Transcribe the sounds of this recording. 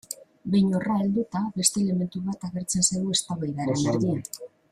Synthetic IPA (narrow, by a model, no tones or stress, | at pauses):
bejɲo̞rae̞ld̪ut̪aβe̞st̪e̞ːle̞me̞nt̪uβat̪aɣe̞ɾt͡se̞nsajɣue̞st̪aβajðaɾembe̞ɾðia